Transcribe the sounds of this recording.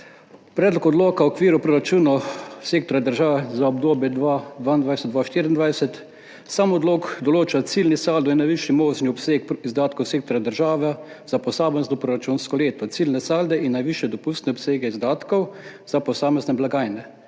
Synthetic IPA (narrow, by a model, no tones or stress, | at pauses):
pɾɛːd̪lɔkɔd̪loːkawɔkʋiːɾupɾoɾat͡ʃuːnaseːk̚t̪ɔɾjad̪əɾʒaːʋɛzaɔbd̪oːbjɛd̪ʋad̪ʋaind̪ʋajsɛt̪̚d̪ʋaʃt̪iːɾind̪ʋajsɛt̪ | samɔd̪loːɡd̪ɔloːt͡ʃat̪silnisaːld̪ɔinːajʋiʃimoːʒniɔpseːkizd̪aːt̪kɔwseːkt̪ɔɾjad̪əɾʒaːʋɛ | zapɔsaːbənznɔpɾoɾat͡ʃunskɔleːt̪ɔt̪silnɛsaːld̪ɛinːajʋiʃjɛd̪ɔpust̪nɛɔpseːɡɛizd̪aːt̪kɔw | zapɔsaːmɛznɛblaɡaːjnɛ